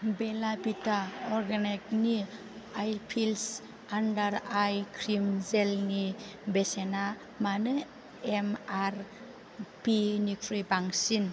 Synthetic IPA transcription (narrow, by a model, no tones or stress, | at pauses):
belabitaɔɾɡanek̚ni | ajpʰils | andaɾajkʰɾimzelnibesena | manɯ | emaɾ | pinikʰɾibaŋsin